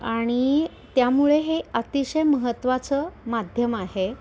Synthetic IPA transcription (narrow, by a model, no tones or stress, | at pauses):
aɽ̃i | t̪jamuɭeɦeət̪iɕəjməɦət̪ːʋat͡səmad̪ʱjəmaɦe